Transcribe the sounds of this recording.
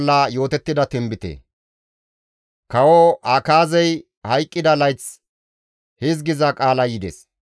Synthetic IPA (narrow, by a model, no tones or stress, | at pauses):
lːaːjo̞ːt̪ɛt̪ːɪd̪ɐt̪ɛmbɪt̪ḛ | kɐwoʔaːkaːzɛj | hɐjkʼːɪd̪ɐlɐjt͡s | hɪz̬ɡɪzɐkʼaːlɐjɪd̪ɛ̰s